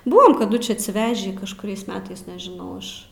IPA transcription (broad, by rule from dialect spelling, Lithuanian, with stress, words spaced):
ˈbʊʋɐm kɐˈdʊ t͡ʃʲɪ ɐtʲsʲɪˈʋʲæːʒʲiː kɐʃkʊˈrʲɛɪs ˈmʲæːtɐɪs nʲɛʒʲɪˈnɐʊ ɪʃ